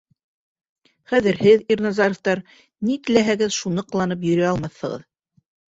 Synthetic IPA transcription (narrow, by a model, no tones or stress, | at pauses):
χæðɘ̆ɾhɘðirnɑzɑɾŏft̪ɑɾ | nit̪ɘ̆læɦæɡɘðʃunɤqlˠɑnɤp̬jɵ̆ɾæɑlˠmɑθːɤ̆ʁɤ̰ð